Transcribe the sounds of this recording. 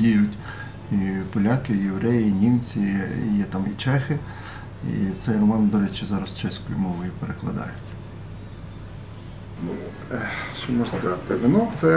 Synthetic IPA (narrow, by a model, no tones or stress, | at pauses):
iʒʊtʲ | ipɔlʲɑkɪjeʋɾɛjiinʲimt͡sʲijɛt̪ɑmit͡ʃɛxɪ | ḭt̪sɛjrɔmɑnd̪ɔɾɛt͡ʃɪzɑɾɐst͡ʃɛsʲkɔjʊmɔʋʊjʊpeɾeklˠɐ̰d̪ɑ̰jʊtʲ | nu | ɛʃɔmɔskɐɑt̪ɪʋɪnɔt̪sɛ